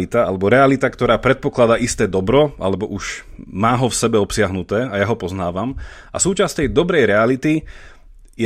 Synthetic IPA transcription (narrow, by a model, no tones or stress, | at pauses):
it̪aalɛbɔɾɛalit̪akt̪ɔɾaːpɾɛt̪̚pɔklad̪aːʔist̪ɛːd̪ɔbɾɔa̰lɛbɔʔuʃmaːɦɔfsɛbɛɔpsɪaɦnut̪ɛːajaɦɔpɔznaːʋamʔa̰suːt͡ʃast̪ɛjd̪ɔbɾɛjɾɛalit̪i | jɛ